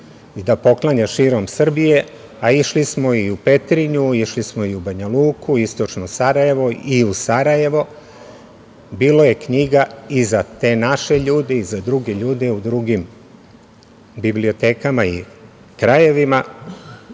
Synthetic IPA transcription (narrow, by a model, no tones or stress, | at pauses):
id̪apo̞klˠaɲaʃiːɾo̞msr̩bije̞ | aiʃlismo̞iupe̞t̪ɾiɲuiʃlismo̞iubaɲaluːkuist̪o̞t͡ʃnosaɾaje̞ʋo̞iusaɾaje̞ʋo̞ | biːlo̞je̞kɲiɡaizat̪e̞ːnaʃe̞ʎuːd̪e̞izad̪ɾuɡe̞ʎuːd̪e̞ud̪ɾuɡim | biblio̞t̪e̞ːkamaḭ | kɾaje̞ʋima